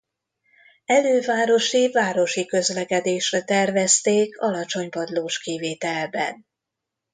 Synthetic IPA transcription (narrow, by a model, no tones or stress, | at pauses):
ɛløːvaːɾo̞ʃivaːɾo̞ʃikø̞zlɛkɛd̪eːʃrɛt̪ɛrvɛst̪eːkʰɒlɒt͡ʃo̞ɲpɒd̪loːʃkiveːt̪ɛlbɛ̰n